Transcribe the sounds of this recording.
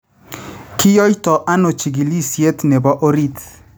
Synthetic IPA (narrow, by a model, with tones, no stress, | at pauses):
kʰɪ˦jɔ˦jtɔ˨ʔa˦no˨t͡ʃi˨ɡi˨li˦sje˦t̪nɛ˨ba˦ʔo˦ɾi˦t̪